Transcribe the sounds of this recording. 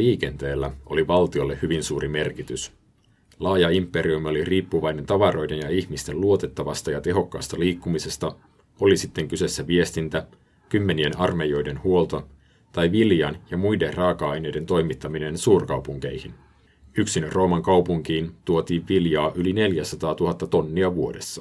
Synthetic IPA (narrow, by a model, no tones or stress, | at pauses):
iːk̟e̞nt̪e̞ːlːæo̞̰liʋɑlt̪io̞lːe̞hyʋinsuːɾʔime̞rkit̪ys | lɑːjɑimpːe̞ɾiumio̞liriːpːuʋɑjne̞nt̪ɑʋɑɾʔo̞jde̞njɑiçmist̪e̞luo̞t̪e̞t̪ːɑʋɑst̪ɑjɑt̪e̞ɦo̞kːɑ̰ːst̪ɑliːkːumise̞st̪ɑ | o̞lisit̪ːeŋkyse̞sːæʋie̞st̪int̪æ | kymːe̞nienɑrme̞jo̞jde̞nhuo̞lt̪ɑ | t̪ɑjʋiljɑnjɑmujde̞rrɑːkɑɑjne̞jde̞nt̪o̞jmit̪ːɑmine̞nsuːrkɑwpuŋke̞jhin | yksinrʔo̞ːmɑŋkɑwpuŋkiːnt̪uo̞t̪iːʋʋiljɑːʔyline̞ljæsɑt̪ɑːt̪uɦɑt̪ːɑt̪o̞nːiɑʋuo̞de̞sːɑ̥